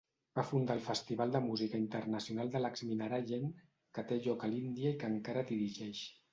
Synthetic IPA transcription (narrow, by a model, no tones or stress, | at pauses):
b̥afund̪alˠfəst̪iβalˠd̪əmuzikəint̪əɾnəsiunalˠd̪ələkzminaɾaʒeŋ | kət̪eʒɔkəlind̪iəikəŋkaɾəd̪iɾiʒɛʃ